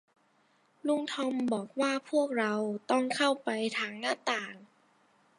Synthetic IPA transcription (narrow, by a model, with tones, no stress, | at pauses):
lu˧˥˩ŋt̪ʰɔ˧mbɔː˨˩k̚waː˥˩pʰu˥˩ək̚ɾa˧wt̪ɔ˥˩ŋkʰa˥˩wpa˧jt̪ʰaː˧ŋnaː˥˩˨t̪aː˨˩ŋ